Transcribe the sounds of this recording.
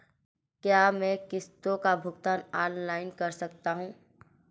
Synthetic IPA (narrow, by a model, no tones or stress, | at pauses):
kjaːmɛ̃ːkɪst̪õkabʱʊɡt̪aːnaːnlaːɪnkɐɾsɐk̚t̪aɦũː